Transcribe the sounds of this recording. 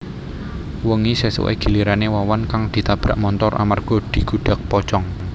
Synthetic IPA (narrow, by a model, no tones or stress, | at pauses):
wəŋisesə̰wḛɡ̥i̤liɾanewawankaŋd̪̥i̤t̪ab̥ɾaʔmɔnt̪ɔrʔa̰marɡ̥ɔd̪̥i̤ɡ̥ṳɖ̥a̤k̚pɔt͡ʃɔŋ